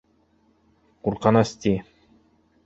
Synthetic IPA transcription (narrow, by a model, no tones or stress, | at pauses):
quɾqɑnɑst̪i